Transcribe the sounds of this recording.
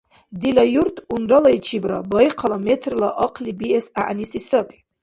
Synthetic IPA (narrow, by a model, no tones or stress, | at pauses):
d̪ilajuɾt̪ʰʼunɾalait͡ʃʰibɾa̰bɑjqʰalamɛt̪ʰrlaʔɑqʰlibiɛsaʔnisisəpʰʼi̥